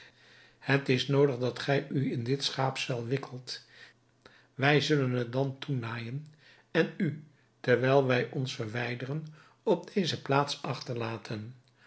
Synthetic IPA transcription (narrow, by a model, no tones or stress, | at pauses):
hətɪsnowdəχdɑtχɛjyɪndɪtsχaːpsɛlˠʋɪkʰəlˠt | ʋɛjzɵlənɦət̚dɑntunaːjən | ɛny | təɹʋɛjlˠʋɛjʔɔnsfəɹʋɛjdərən | ɔb̚dejzəplaːtsɑχtəɹlaːtʰən